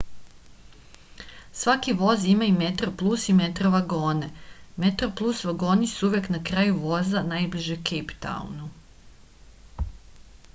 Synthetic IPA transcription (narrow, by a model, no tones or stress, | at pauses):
sʋakiʋo̞zimaime̞t̪ɾoplˠuːsimet̪ɾoʋaɡo̞ːnemet̪ɾo̞plˠuːsʋaɡo̞ːnisuuʋjeknakɾaːjuʋo̞zanajbliʒekejpt̪a̰ṵnu